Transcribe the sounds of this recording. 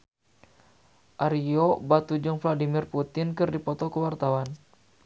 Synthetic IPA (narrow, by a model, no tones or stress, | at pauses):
ʔaɾiobat̪ud͡ʒɔŋfladimirput̪ɪnkɨrdipɔt̪ɔkəwart̪awan